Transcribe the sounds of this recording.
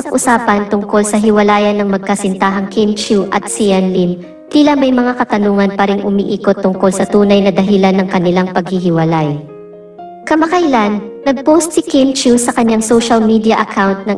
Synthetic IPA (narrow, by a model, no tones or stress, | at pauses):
ɐʔʊsaːpɐnt̪ʊŋko̞lsɐɦɪwɐlaːjɐnːɐŋmɐɡ̚kɐsɪnt̪aːɦɐŋkint͡ʃuʔɐ̰t̪̚sijɐnlim | t̪iːlɐmɐjmɐŋakɐt̪ɐnuːŋɐnpɐɾɪŋʔʊmḭːʔiːkot̪ːʊŋko̞lsɐt̪uːnɐjnɐd̪ɐɦɪlanːɐŋkɐnɪlaŋpɐɡ̚hɪɦɪwɐlaj | kɐmɐkɐjlanːɐɡ̚powst̪sɪkɛnt͡ʃusɐkɐɲːaŋsoʃɐlmid̪iɐʔɐkʰawnt̪̚nɐŋ